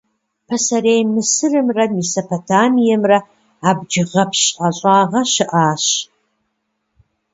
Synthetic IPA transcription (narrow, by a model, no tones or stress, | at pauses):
pʰɐsɐɾejmɨsɨrɨmrɐmisopʰotʰaːmijɐmrɐ | abd͡ʒɨʁɐpʰɕʼʔaɕʼaːʁɐʃɨʔaːɕ